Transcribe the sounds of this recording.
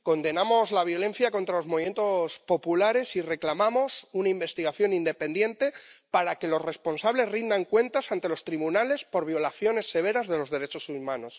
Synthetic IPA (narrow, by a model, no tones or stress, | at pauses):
ko̞nd̪e̞namo̞zlaβ̞jo̞le̞n̟θjako̞nt̪ɾalo̞zmoβime̞nt̪ospo̞pulaɾe̞sire̞klamamo̞sunaimbe̞st̪iɣaθjo̞nind̪e̞pe̞nd̪je̞nt̪e̞paɾake̞lo̞sre̞spo̞nsaβle̞zrind̪aŋkwe̞nt̪asant̪e̞lo̞st̪ɾiβunale̞spo̞ɾβ̞jo̞laθjo̞ne̞sːe̞β̞e̞ɾazðe̞lo̞zðe̞ɾe̞t͡ʃo̞sumãno̞s